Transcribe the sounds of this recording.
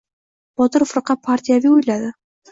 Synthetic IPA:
b̥ɒt̪ɤɾfɾqɑpʰaɾt̪ʲijaviujlad̪ɪ

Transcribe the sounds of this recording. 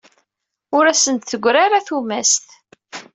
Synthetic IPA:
ʊɾæsənt̪θəɡʷːɾaɾaθumæst̪

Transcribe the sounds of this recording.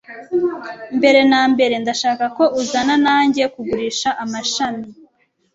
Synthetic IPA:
mbe̞ɾe̞naːmbe̞ɾe̞ndaʃaːkako̞ʔuzananaːɲɟe̞kuɡuɾiːʃaʔamaʃami

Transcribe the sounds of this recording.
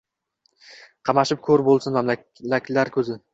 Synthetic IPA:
qʰɑmaʃɪp̚kʲʰɵɾbolˠsɪnmamla | lakʲlaɾkʲʰɵzɪ

